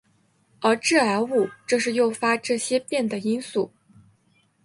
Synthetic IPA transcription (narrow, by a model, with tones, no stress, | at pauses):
ə˞˧˥ʈ͡ʂɻ̩˥˩a˧˥ɪu˥˩ʈ͡ʂɤ˥˧ʂɻ̩˥˧jo˥˩ʊfa˥ʈ͡ʂɤ˥˩ɕjɛ˥pjɛ˥˩nd̪ə˩i˥nsu˥˩